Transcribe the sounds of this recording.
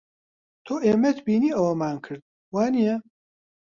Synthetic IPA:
t̪ʰoʔeːmɛt̪ʰbiːniːɐwɐmaːnkʰɨɾd̪̥̚ | waːnijɛ

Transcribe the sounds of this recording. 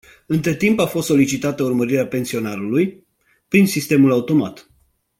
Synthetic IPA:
ɨnt̪ɾe̞t̪impafost̪so̞lit͡ʃit̪at̪əurməɾiɾeape̞nsio̞naɾuluj | pɾinsist̪e̞mulaut̪o̞mat̪

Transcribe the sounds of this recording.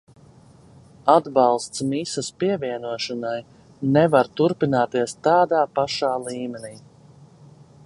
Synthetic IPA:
ad̪bɑlˠst̪smisaspiɛviɛnuɔʃɔnaj | nɛvaɾt̪uɾpinaːt̪iɛst̪aːd̪aːpaʃaːlˠiːmɛniː

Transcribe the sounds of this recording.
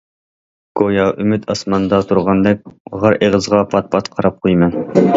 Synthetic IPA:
ɡ̥ojɑʔymɪt̪ʰɑsmɑnd̪ɑt̪ʰuɾʁɑnd̪ɛk̚ʲʁɑɾʔeʁəzʁɑpʰɑt̪̚pʰɑt̪qʰɑɾɑp̚qʰojmɛn

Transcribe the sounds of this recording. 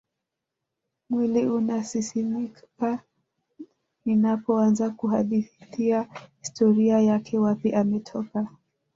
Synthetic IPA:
mwiliunasisimikka | ninapɔanzakuɦaɗiθiahistɔɾiajakʰɛwapiʔamɛtʰɔka

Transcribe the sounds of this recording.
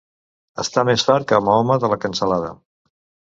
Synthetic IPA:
ə̰st̪amesfaɾ̚kəmɔməðələkənsəlaðə̰

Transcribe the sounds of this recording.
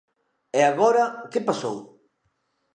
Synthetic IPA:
ɛaɣɔɾɐkepasow

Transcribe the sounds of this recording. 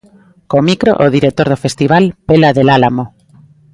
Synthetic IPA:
komikɾo̰ʔoð̞iɾek̚t̪oɾðofest̪iβ̞alpelaðelalamo

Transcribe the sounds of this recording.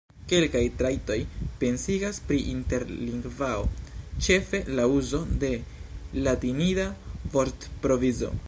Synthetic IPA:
ke̞lkajtɾajto̞jpe̞nsiɡaspɾiʔinte̞ɾliŋɡvao̞̰t͡ʃe̞fe̞lauzo̞de̞latinidavo̞ɾtpɾo̞vizo̞̰

